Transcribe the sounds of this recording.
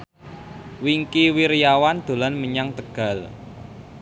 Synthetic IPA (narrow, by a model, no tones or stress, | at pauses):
wiŋkiwiɾjawand̪̥o̤lanməɲaŋt̪əɡ̥a̤l